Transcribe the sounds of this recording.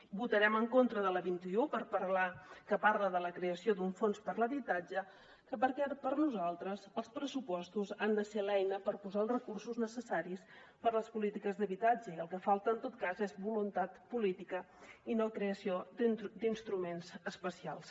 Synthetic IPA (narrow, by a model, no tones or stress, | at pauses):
but̪əɾɛməŋkont̪ɾəðələβint̪iupəɾpəɾlakəpaɾləðələkɾeəsiod̪uɱfonspəɾləβit̪ad͡ʒə | kəpəɾkɛpəɾnuzalˠt̪ɾəzəlˠspɾəsupɔst̪uzand̪əsɛlɛjnəpəɾpuzaəlˠsrəkursuznəsəsaɾis | pəɾləspulit̪ikəzðəβit̪ad͡ʒəiəlˠkəfalˠt̪əːnt̪ot̪̚kazezbulunt̪at̪pulit̪ikə | inokɾeəsiod̪inst̪ɾumenzəspəsia̰lˠs